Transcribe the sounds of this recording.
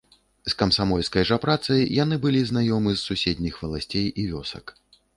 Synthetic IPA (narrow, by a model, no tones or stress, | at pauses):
skɐmsamɔlʲskɐjʐɐpɾat̪sɐjjanɨbɨlʲiznajɔmɨzːusʲed̪ʲnʲixvɐlˠasʲt͡sʲejivʲɔsɐ̰k